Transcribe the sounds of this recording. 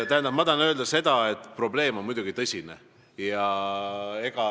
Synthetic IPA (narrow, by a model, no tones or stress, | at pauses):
t̪æɦend̪ɑbmɑd̪ɑnø̞ːld̪ɑse̞d̪̥ɑe̞t̪ːˑpro̞ble̞ːmonmujd̪uɡ̥it̪ɤsʲinḛ | jɑ | e̞ɡ̥ɑ